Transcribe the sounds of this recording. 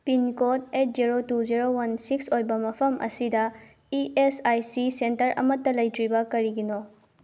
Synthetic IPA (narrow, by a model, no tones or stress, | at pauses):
pinkot̚et̚ziɾotuziɾowɐnsiksojbɐmɐpʰɐmʔɐ̰sidɐ | iʔesajsisentɐɾʔɐ̰mɐtːɐlɐjtɾibɐkɐɾiɡino